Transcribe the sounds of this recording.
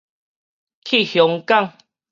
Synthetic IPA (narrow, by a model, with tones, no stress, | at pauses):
kʰi˥˨hjɔ˨˦ŋka˥˧˨ŋ